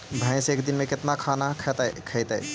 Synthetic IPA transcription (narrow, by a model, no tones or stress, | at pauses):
bʱə̃j̃sẽekd̪inmeket̪nakʰanakʰət̪əkʰəjt̪əj